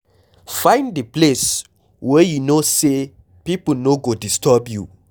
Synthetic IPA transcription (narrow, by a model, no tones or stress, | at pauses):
fãɪ̃ndiples | wɛjunose | pipl̩noɡodistɔbju